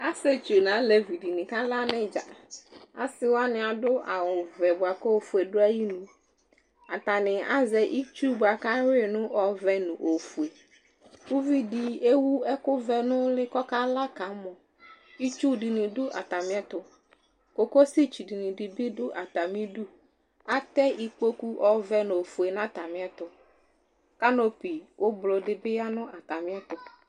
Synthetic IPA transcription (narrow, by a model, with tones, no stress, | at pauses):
a˦sɛ˦t͡ʃu˨nã˨˦lɛ˨vi˨di˨nĩ˨ka˦la˦nɪ̃˦d͡ʒa̰˨a̰˦sɪ˦wa˦nɪ̃˨a˨dʊ˦ʔa˨wʊ˨vɛ˨bʊ˨a˨kɔ˦o˨fu˨e˨dʊ˦a˦ji˦nũ˨ | a˨t̪a˨nɪ̃˨a̰˦zɛ˨ʔi˦t͡ʃu˦bʊ˨a˨ka˦ɾɪ˦nʊ̃˦ɔ˨vɛ˨nʊ̃˨ʔo˨fu˨e˨ | ʊ˦vi˦di˨e˦wu˦ɛ˦kʊ˦vɛ˨nʊ̃˦lɪ˦kɔ˦ka˦la˦ka˨˦mɔ̃˨ | i˦t͡ʃu˦di˨nĩ˨dʊ˦ʔa̰˨t̪a˨mɪ̃˦ɛ˦t̪ʊ˨ | ko˨ko˦si˦t͡ʃu˨di˨nĩ˨di˨bɪ˦dʊ˦ʔa˨t̪a˨mĩ˦du˦ | a˦t̪ɛ˦ʔi˨k͡po˦ku˦ʔɔ˨vɛ˦ñ˨o˨fu˨e˨nã˦t̪a˨mɪ̃˦ɛ˦t̪ʊ˨ | ka˦no˦pi˨wʔo˦blo˨dɪ˨bɪ˦a˦nʊ̃˦a˨t̪a˨mɪ̃˦ɛ˦t̪ʊ˨